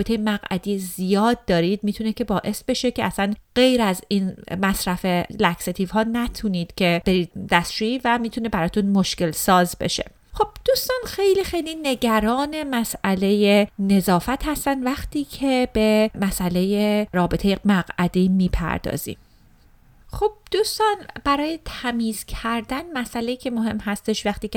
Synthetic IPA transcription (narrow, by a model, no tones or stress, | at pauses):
be̞t̪ʰe̞jemæɣʔæ̰d̪iːjzijɒːd̪̚ːɒːɾiːd̪miːt̪ʰunecʰe̞bɒːʔe̞sbe̞ʃe̞cʰeæsænɢ̥e̞jɾæziːnmæsɾæfelækset̪ʰiːvɦɒːnæt̪ʰuniːd̪̥cʲʰe̞b̥e̞ɾiːd̪̚d̪æst̪d͡ʒuiːvæmiːt̪ʰune̞bæɾɒːt̪ʰunmoʃce̞lsɒːzbe̞̰ʃe̞̰ | χo̞b̥̚d̪̥uːst̪ɒːnxe̞jliːxe̞jliːne̞ɟæɾɒːne̞mæsʔæle̞je̞ne̞zɒːfæt̪hæst̪ænd̪væxt̪ʰiːcʰe̞b̥e̞mæsʔæle̞jeɾɒːbet̪ʰe̞jemæɣæd̪imiːpʰæ̰ɾd̪ɒ̰ːz̥ḭm | xob̥̚d̪̥uːst̪ɒːnb̥æɾɒːje̞t̪ʰæmiːzcʰæɾd̪ænmæsʔæleiːcʰe̞moɦe̞mhæst̪e̞ʃvæxt̪iːke